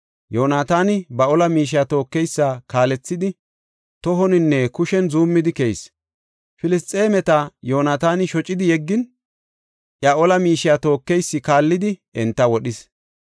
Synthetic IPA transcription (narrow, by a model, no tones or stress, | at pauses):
jo̞ːnaːt̪aːnɪbɐɔlɐmiːʃ̬ɪjaːt̪o̞ːkːɛjsːakaːlɛt͡sːɪd̪ɪ | t̪ɔɦɔnɪnːɛkʊʃɛnzuːmːɪd̪ɪkɛjs | fɪlɪst̪ʼːe̞ːmɛt̪ɐjo̞ːnaːt̪aːnɪʃɔt͡ʃʼːɪd̪ɪjɛɡːɪn | ʔjaʔɔlɐmiːʃɪjat̪o̞ːkːɛjsːɪkaːlːɪd̪ɪɛnt̪ːɐwɔɗɪs